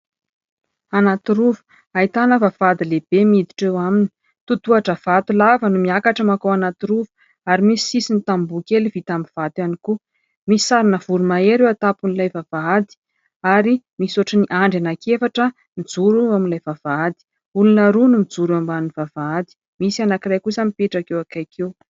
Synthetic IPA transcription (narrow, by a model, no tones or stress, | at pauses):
anat̪iɾuvu̥ | ait̪anəvav̥ad̪ileb̥emid̪i̥ʈ͡ʂewamini̥ | t̪ut̪uaʈ͡ʂəv̥at̪ulavanumiakaʈ͡ʂəmakawanat̪iɾuvu̥ | aɾimisi̥sisinit̪ambukelivit̪ambiv̥at̪aniku | misi̥saɾinəv̥uɾumaeɾewat̪apunilajvavaad̪i̥ | aɾi | misuaʈ͡ʂəniʔaɳɖ͡ʐanakefaʈ͡ʂə | mid͡zuɾuaminlajvav̥aad̪i̥ | ulunəɾunumid͡zuɾambannivavaad̪i̥ | misianakirajkusamipeʈ͡ʂakewakajkʰew